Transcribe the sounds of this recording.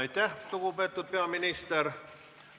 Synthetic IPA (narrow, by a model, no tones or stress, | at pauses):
it̪ʲæhsukupet̪ːut̪̚peɑminist̪er